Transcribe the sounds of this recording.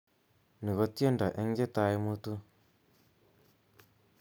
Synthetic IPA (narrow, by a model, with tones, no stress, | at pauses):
ni˨ɣo˦tje˦nda˨ʔe˦ŋ˦ɡe˦ta˨i˦mu˦tu˦